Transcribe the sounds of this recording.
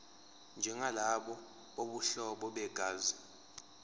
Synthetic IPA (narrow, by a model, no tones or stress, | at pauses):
nd͡ʒʱɛŋalaɓɔ | ɓoɓuɬɔɓɔɓɛɡ̥ʱaːzi